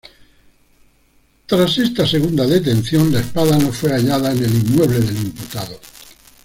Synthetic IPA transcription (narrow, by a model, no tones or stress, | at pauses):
t̪ɾase̞st̪ase̞ɣund̪aðe̞t̪e̞n̟θjõ̞nlaespaðano̞fwe̞aʎaðaene̞limːwe̞β̞le̞ðe̞limput̪aðo